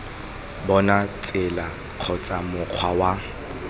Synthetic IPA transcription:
bɔnat͡sʼɪla | q͡χʰɔt͡sʼamʊq͡χʰwawa

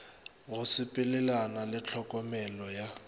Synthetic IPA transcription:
ɣʊsɪpʼɪlɛlanalɪt͡ɬʰɔkʼɔmɛlɔja

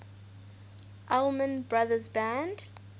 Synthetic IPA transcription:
ʔɛlmə̃nbɹaðəzbæ̃nd

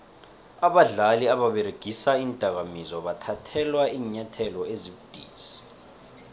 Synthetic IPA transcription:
aɓaɮaliaɓaɓeɾeɡ̥ʱisaiːntʼak̬amizɔɓatʰatʰɛlwaiːɲatʰɛlɔeziɓud̥ʱiːsi̥

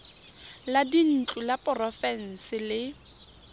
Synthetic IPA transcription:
ladin̩t͡ɬʼulapʼɔrɔfɛn̩sɪlɪ

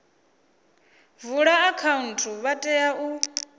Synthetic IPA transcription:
vuɺaːkʰauntʰuβatʼɛjaʔu

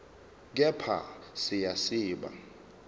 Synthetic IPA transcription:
k̬ʼɛpʰa̰sɪjasiːɓa̰

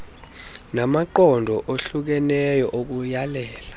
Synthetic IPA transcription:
namaǃɔndʱɔʔoɬuk̬ɛnɛjɔʔok̬ujalɛːla

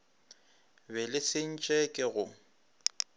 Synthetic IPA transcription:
bɛlɪsɪn̩t͡ʃʼɛkʼɪɣʊ

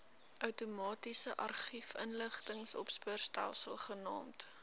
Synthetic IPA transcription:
ʔœwtumɑːtisəʔɐrχifənləχtəŋsɔ̰pspuərstæ̰lˠsəlˠχənɑ̰ːmt

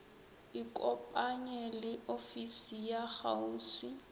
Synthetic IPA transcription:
ɪkʼɔpʼaɲɛlɪʔofisijaχa̰uːswi

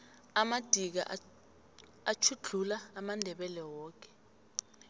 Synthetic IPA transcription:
amad̥ʱik̬a̰ʔ | at͡ʃʰuɮʱulaːmandʱɛɓɛlɛwɔːk̬ɛ̥

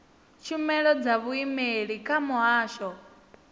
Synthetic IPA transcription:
t͡ʃʰumɛɺɔd͡zaβuimeɺikʼʰamuɦaːʃɔ

